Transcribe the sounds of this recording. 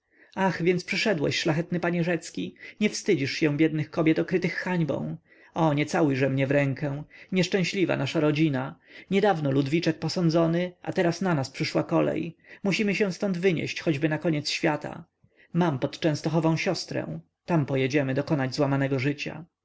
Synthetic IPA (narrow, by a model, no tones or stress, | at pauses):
axvʲjɛnt̪spʂɘʂɛd̪wɛ̰ɕʂlaxɛt̪nɘpaɲɛʐɛt̪skʲiɲɛfst̪ɘd͡ʑiʂɕɛ̃bʲjɛd̪nɘxkɔbʲjɛt̪ɔkɾɘt̪ɘxːaɲbɔ̰̃w̃ | ɔɲɛt̪saujʐɛmɲɛvɾɛŋkɛ̃ɲɛʂt͡ʂɛ̃w̃ɕlʲiva̰naʂaɾɔd͡ʑinaɲɛd̪avnɔlud̪vʲit͡ʂɛk̚pɔsɔnd̪zɔnɘʔa̰t̪ɛɾasnanaspʂɘʂwakɔlɛ̰jmuɕimɘɕɛ̃w̃st̪ɔnd̪vɘɲɛ̰ɕt͡ɕxɔd͡ʑbɘnakɔɲɛt̪sɕfʲjat̪a̰ | mampɔt̪t͡ʂɛ̃st̪ɔxɔvɔ̃w̃ɕɔst̪ɾɛ̰̃ | t̪ampɔjɛd͡ʑɛmɘd̪ɔkɔnad͡ʑzwamanɛɡɔʐɘt͡ɕa̰